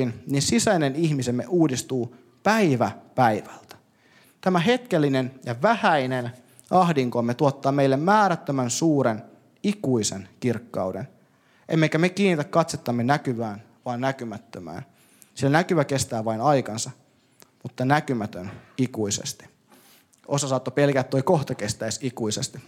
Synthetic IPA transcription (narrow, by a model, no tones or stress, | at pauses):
inninsisæineniçmise̞mːeʔuːdist̪uː | pæiʋæpæjʋælt̪æ̥ | t̪æmæɦe̞t̪kelːinenjɑʋæhæinen | ʔɑɦdiŋkomːet̪uot̪ːɑːme̞ilːemmæːɾæt̪ːømænsuːɾen | ikuisenkirkːɑ̰uwden | ʔemːekæmekiːnːit̪ækkɑt̪set̪ːɑmːenækyʋæːn | ʋɑːnnækymæt̪ːømæ̰ːn | silnækyʋæke̞st̪æːʋɑinɑjkɑnsɑ | mut̪ːɑnækymæt̪ønikuisḛst̪i̥ | ʔosɑsɑːt̪ːope̞lkæt̪ːojkoht̪okest̪æisikuisest̪i